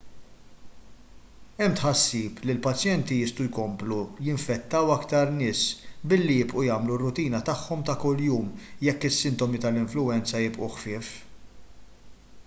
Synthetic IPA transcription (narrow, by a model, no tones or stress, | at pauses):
ɛmːt̪ħɐsːiːplilpɐt͡ʃjɛnt̪iɪst̪ujkɔmplujɪɱfɛt̪ːɐwɐkt̪ɐɾnɪːsbɪlːijɪbʔujɐːmlurːʊt̪iːnɐt̪ɐħːɔmt̪ɐkʊlːjuːmjɛkːɪsːɪnt̪ɔmit̪ɐlɪɱflʊɛnt͡sɐjɪpʔuħfɪːf